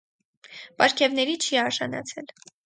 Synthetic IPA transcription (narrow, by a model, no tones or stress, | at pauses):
pɑɾkʰɛvnɛɾit͡ʃʰiɑɾʒɑnɑ̰t͡sʰɛl